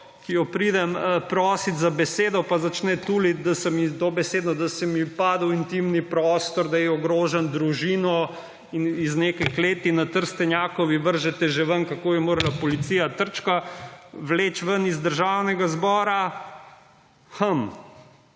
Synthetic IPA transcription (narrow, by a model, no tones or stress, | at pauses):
kijɔpɾiːd̪ɛməpɾɔːsit̪zabɛseːd̪ɔpazat͡ʃnɛt̪uːlid̪asɛmit̪obɛseːd̪nɔd̪ɐsɛmipaːd̪ɐwint̪imnipɾɔːst̪ɔɾd̪ajɛɔɡɾoːʒɛnd̪ɾuʒiːnɔ | iniznekɐjkleːt̪inat̪əɾst̪ɛnjaːkɔʋiʋəɾʒɛt̪ɛʒɛʋənkakoːbimoːɾalapɔlit̪sijat̪əɾt͡ʃkaʋleːt͡ʃʋənizd̪əɾʒaːwnɛɡazbɔːɾa | həm